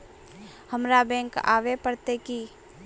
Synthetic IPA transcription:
həmɾabɛ̃ːŋka̰ːʋepəɾt̪eki

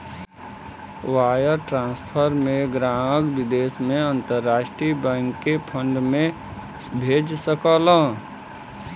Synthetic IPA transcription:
waːjəɾʈɾãːnspʰəɾmẽɡɾaːməkwɪd̪eːsmẽə̃nt̪əɾːaːʃʈɾibɛ̃ːŋkːepʰə̃ɳɖmẽ | bʱeːd͡ʒsəkəːlə̃ː

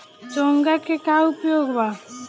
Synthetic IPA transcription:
t͡ʃoːŋɡakekaʊpjoːɡba

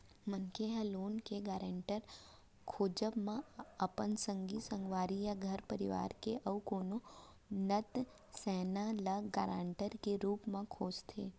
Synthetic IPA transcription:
mənkeɦɐloːnkeɡaːɾeɳʈəɾ | kʰoːd͡ʒəbmãəpənsə̃ŋɡisə̃ŋɡʋaːɾijaɡʱəɾpəɾɪʋa̰ːɾkeʔəʋkoːno | nət̪ | sɛːnaləɡaːɾaːɳʈəɾkeɾuːpmãkʰoːd͡ʒt̪ʰeː

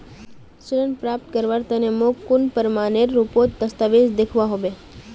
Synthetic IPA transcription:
suɾənpɾap̚t̪̚kəɾʋaɾt̪ənemokkːunpəɾmaneɾːupot̪̚d̪əst̪aʋed͡ʒd̪ekʰʋaɦoʋe

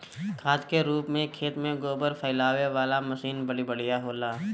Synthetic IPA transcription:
kʰaːt̪keɾuːpmẽkʰːeːt̪mẽɡoːbəɾfʰəɪlaːʋeʋaːlamɐsiːnbəɽibɐɽijaɦoːlaː

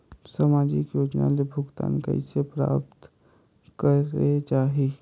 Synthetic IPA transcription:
samaːd͡ʒɪkjoːd͡ʒnalebʱʊɡt̪a̰ːnkə̰ɪsepɾa̰ːpt̪ | kəɾet͡ʃaːɦi

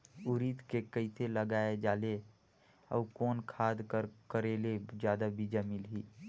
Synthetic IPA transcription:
ʊɾit̪kekəit̪ʰeləɡaːed͡ʒaːle | ɔ̰ːkɔːnkʰaːd̪kəɾkəɾeːled͡ʒjaːd̪abʱid͡ʒamɪlɦiː

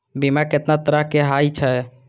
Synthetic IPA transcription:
bimaket̪nat̪əɾəɦkeɦajt͡ʃʰɛ

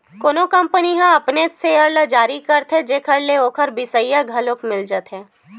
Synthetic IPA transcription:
koːnokɐ̃mpəniɦãɐpnet̪seəɾlad͡ʒaːɾikəɾt̪ɦɛ̃d͡ʒeːkʰəɾleoːkʰəɾbɪsəijaɡʱɐlokmɪld͡ʒət̪ɦɛ̃ː

